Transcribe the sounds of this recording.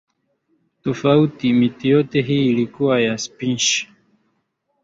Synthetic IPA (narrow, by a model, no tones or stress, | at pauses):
tɔfautimitijɔtɛɦiːlikuwajaspinʃi̥